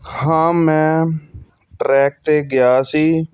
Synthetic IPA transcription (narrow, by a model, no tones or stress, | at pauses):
hãːmɛ̃ː | ʈɾɛːk̚t̪eːɡɪjaːsiː